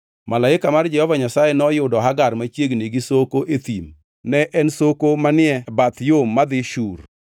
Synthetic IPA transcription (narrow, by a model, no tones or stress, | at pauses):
malaɪkamard͡ʒɛhɔvaɲasajɛnɔjʊdɔɦaɡarmat͡ʃjeɡneɡisokoʔet̪im | nɛʔɛnsokomanɪɛbat̪jomːad̪ɪʃur